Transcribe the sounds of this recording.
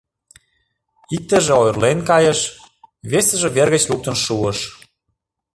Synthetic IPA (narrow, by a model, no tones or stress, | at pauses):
ik̚t̪ə̆ʒĕojrlenkɑjə̆ʃ | βesə̆ʒĕβerɣə̆t͡ɕluk̚t̪ə̆nʃuəʃ